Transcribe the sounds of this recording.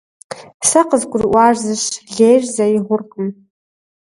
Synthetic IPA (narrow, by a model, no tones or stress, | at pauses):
saqʼəzkʷʼʊrʔʷwaʐzɨʃɮejrzaiʁʷʊrqʼəm